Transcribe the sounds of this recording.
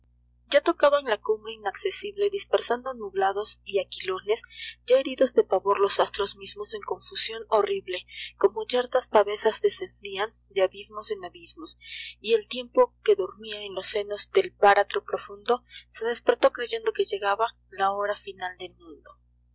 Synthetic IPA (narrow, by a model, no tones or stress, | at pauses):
ɟ͡ʝat̪o̞kaβaenlakumbɾe̞inaksesiβle̞ðispeɾsand̪onuβlaðo̞siakilo̞ne̞sɟ͡ʝae̞ɾiðo̞zðe̞paβo̞ɾlo̞sast̪ɾo̞zmizmo̞se̞ŋko̞ɱfusjo̞no̞riβle̞ko̞mo̞t͡ʃeɾt̪aspaβe̞sazd̪e̞se̞nd̪ian | d̪eaβizmo̞se̞naβizmosie̞lt̪je̞mpo̞ke̞ðoɾmiae̞nlosːe̞no̞zd̪e̞lpaɾat̪ɾo̞pɾo̞fund̪o̞se̞ðe̞speɾt̪o̞kɾe̞ʝe̞nd̪o̞ke̞ʝe̞ɣaβa | lao̞ɾafinald̪e̞lmũnd̪o̞